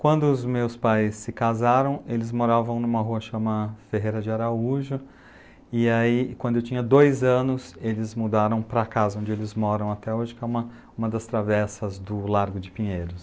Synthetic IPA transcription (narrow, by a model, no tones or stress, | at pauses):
kwɐ̃nd̪ʊːzmewspajsːɪkazaɾɐ̃w̃elɪzmoɾavɐ̃w̃nũmɐɦuɐʃɐ̃mɐfeɦejɾɐd͡ʒɪaɾauʒʊ | ɪaikwɐ̃d̪ʊewt͡ʃʰĩɲɐd̪ojzɐ̃nʊselɪzmud̪aɾɐ̃w̃pɾɐkazɐõd͡ʒɪelɪzmɔɾɐ̃w̃at̪ɛoʒɪkɪɛũmɐ | ũmɐd̪ɐst̪ɾavɛsɐzd̪ʊlaɾɡʊd͡ʒɪpĩɲejɾʊs